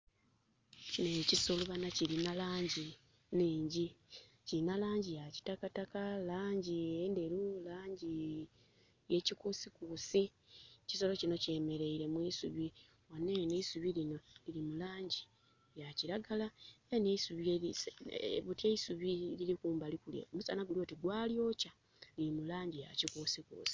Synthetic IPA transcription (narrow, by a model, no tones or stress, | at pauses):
cineciso̞luβanaciɾinalaːɲɟi | neːɲɟi | ciɾinalaːɲɟijaci̥takatakalaːɲɟiendeɾulaːɲɟi | je̞cikusikusi | ci̥so̞lo̞cino̞ce̞ːme̞ɾe̞iɾe̞mwiːsuβi | wanːeneisuβilino̞lilimulaːɲɟi̥ | jaciɾaɡalaeneisuβii | βuteisuβiliɾikuːmbalikuljḛomusa̰naɡulio̞ːtiɡwaːljo̞ca | liimulaːɲɟija̰cikuːsikṵːsi̥